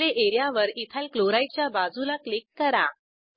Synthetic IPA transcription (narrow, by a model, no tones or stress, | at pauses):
eʔeɾijaʋəɾit̪ʰalkloɾajt͡ɕjabad͡zulaklikːəɾa